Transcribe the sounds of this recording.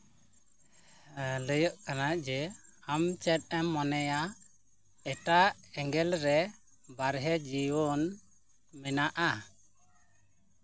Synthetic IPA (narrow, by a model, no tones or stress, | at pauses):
ləjɔʔkanad͡ʒɛamt͡ʃɛt̪̚ˀɛmːɔnɛja | ɛʈaɛŋɡɛlɾɛ | baɾɦɛd͡ʒiwɔn | mɛnaʔa